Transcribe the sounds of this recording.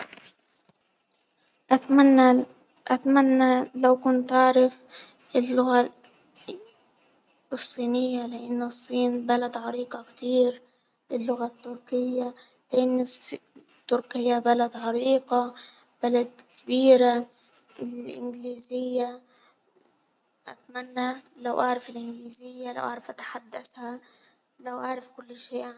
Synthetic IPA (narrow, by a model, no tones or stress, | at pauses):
ʔaanːa | ʔat̪manːalawkʊnt̪ʔaʕɾɪf | ɪlːʊɣa | ɨsˤːiːnɪjːalɪʔanːsˤːiːnbalad̪ʕɑɾiːqɑkt̪iːɾ | lɪlːʊɣat̪ːʊɾkɪjːa | lɪʔɪnːst̪ːʊɾkɪjːabalad̪ʕɑɾiːqɑ | b̥alad̪kabiːɾa | ɪlʔɪ̰nɡliːzɪjːa | ʔa̰t̪manːalawʔaʕɾˤɑfɪlʔɪnɡliːzɪjːala̰wʔa̰ʕɾˤɑfʔat̪ḁħad̪ːasha | lawʔaʕɾˤɑfkʊlːʃeːʔ